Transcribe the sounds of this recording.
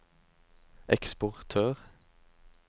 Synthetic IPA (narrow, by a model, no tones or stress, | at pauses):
ʔɛkspʊʁt̪ʰøːʁ